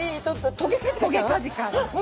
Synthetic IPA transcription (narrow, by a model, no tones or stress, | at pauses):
it̪͈ot̪oɡek͈ad͡ʑioɡek͈ad͡ʑik͈ad͡ʑi